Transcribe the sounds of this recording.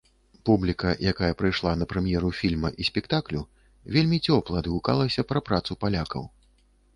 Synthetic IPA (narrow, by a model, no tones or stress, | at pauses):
publʲikɐjʔakajɐpɾɨjʂlˠanɐpɾɛmʲjɛɾufʲilʲmɐʔisʲpʲɛkt̪aklʲu | vʲelʲmʲit͡sʲɔplˠɐd̪ɨɣuka̰lˠɐsʲɐpɾɐpɾat̪supalʲakɐ̰w